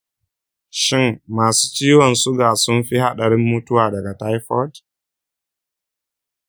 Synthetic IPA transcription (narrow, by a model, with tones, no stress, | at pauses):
ʃɪ˦mːaː˨su̥ː˦t͡ʃiː˦wɔ˨nsʊ˦ɡaː˨sʊ˦nɸi˦ha˦ɗɐ˨ɾɪ˦mːu˦tʊ˦waː˨dɐ˨ɡa˨ta˦jɸɔ˦d